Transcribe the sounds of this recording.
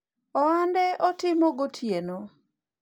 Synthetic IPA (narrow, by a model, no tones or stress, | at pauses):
ɔandɛʔɔtɪmoɡotʰjeno